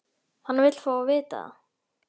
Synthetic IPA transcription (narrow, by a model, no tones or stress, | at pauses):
hanːvɪt̪l̥fawavɪːt̪a̰ða̰